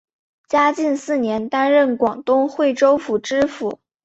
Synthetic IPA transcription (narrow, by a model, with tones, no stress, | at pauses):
t͡ɕja˥t͡ɕi˥˧nsɹ̩˥˩njɛ˧˥nt̪a˥nɻə˥˩nkwɑ˨˩ŋt̪ʊ˥ŋxwe˥˩ɪʈ͡ʂo˥ʊfu˨˩ʈ͡ʂɻ̩˥fṵ˨˩˦